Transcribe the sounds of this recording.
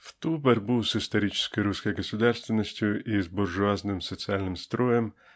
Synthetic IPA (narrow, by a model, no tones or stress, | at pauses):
wt̪upɛrbuwzɪst̪ɔɾʲit͡ʃɪ̥sʲkɔjʊɾusʲkɔjɡɔsʊd̪ɑrst̪ʋɪnɔsʲtʲʊizbɔrʒʊɑznɪmsɔt͡sʲialʲnɪmst̪ɾɔjɛm